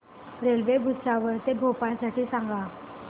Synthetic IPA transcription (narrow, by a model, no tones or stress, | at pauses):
ɾelʋebʱuɕaʋəɾt̪ebʱopasaʈiːsaŋɡa